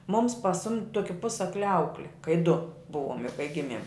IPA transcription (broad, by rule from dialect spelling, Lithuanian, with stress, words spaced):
mʊms pɐˈsʊmʲtʲ ˈtoːkʲɪ ˈpʊsɐklʲɪ ˈɐʊklʲɪ kɐɪ dʊ ˈbʊʋoːm jɛʊ kɐɪ ˈɡʲɪmʲiɛm